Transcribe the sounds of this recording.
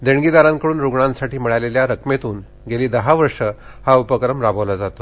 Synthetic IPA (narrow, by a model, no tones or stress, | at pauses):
d̪eɳɡid̪aɾãŋkəɽuːnɾuɡɳãnsaʈiːmiɭajleljaɾəkmet̪uːn | ɡeliːd̪əɦaʋəɾʂəhaupəkɾəmɾabʱəʋlad͡zat̪o